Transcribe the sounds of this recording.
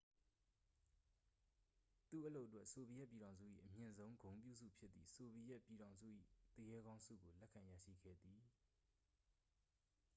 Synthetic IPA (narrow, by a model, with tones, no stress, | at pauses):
t̪ṵ˦˨ʔəlo˦ʊʔətwɛ˦ʔso˨bi˨jɛ˦ʔpji˨ɾã˨ʊ̃nzṵ˦˨ʔḭ˦˨ʔəmjɪ̃˨nzõ˦ʊ̃ŋɡõ˨ʊ̃mpjṵ˦˨zṵ˦˨pʰjɪ˦t̪t̪ːði˦˨so˨bi˨jɛ˦ʔpji˨ɾã˨ʊ̃nzṵ˦˨ʔḭ˦˨t̪ə˦jɛ˦ɡã˦ʊ̃nsṵ˦˨ɡo˨lɛ˦ʔkʰã˨ja̰˦˨ʃḭ˦˨ɡɛ̰˦˨d̪ði˨